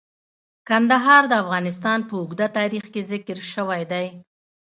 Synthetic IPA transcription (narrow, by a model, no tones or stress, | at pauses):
kand̪aɦɑɾd̪əafɣɑnɪst̪ɑnpəʊɡd̪at̪ɑɾixkezɪkəɾʃəwajd̪aj